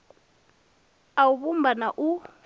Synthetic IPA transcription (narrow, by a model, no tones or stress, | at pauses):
auβum̩banaʔu